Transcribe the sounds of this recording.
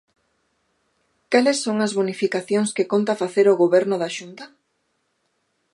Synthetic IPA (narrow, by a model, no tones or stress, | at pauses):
kalesːoŋɐzβunifikaθjoŋskekont̪afaθeɾoɣoβɛɾnʊðaʃunt̪a